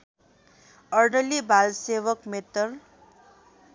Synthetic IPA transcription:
ʌɾɖʌlibʱalsewʌkmet̪ʌɾ

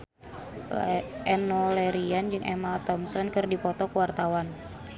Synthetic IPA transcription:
ʔɛnɔlɛɾiand͡ʒɨŋʔɛ̰malt̪ɔmsɔnkɨrdipɔt̪ɔkəwart̪awan

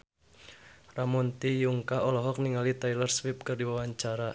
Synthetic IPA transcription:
ramɔnt̪ijuŋkaɔlɔɦɔk̚niŋalit̪ajlərswɪp̚kɨrdiwawaɲt͡ʃaɾa

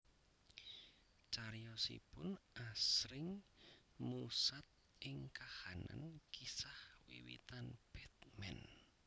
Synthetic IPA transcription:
t͡ʃaɾjɔsḭpʊnʔasɾɪŋ | musat̪̚ | ʔɪŋkahana̰nkisahwḭwḭt̪anb̥ɛt̪̚mɛ̰n

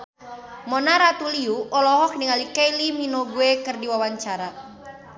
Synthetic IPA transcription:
mɔnaɾat̪uliuʔɔlɔɦɔk̚niŋalikejliminoɡuekɨrdiwawaɲt͡ʃaɾa

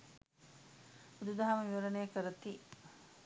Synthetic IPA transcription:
ud̪ud̪aɦamɐʋiʋɐɾɐneːkəɾɐt̪i

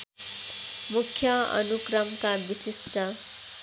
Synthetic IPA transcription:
mukʰːjʌʌ̰nukrʌmkabisisʈʌ

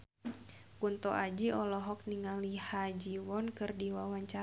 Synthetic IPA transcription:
kunt̪ɔʔad͡ʒiɔlɔɦɔk̚niŋalihad͡ʒiwɔnkɨrdiwawaɲt͡ʃa

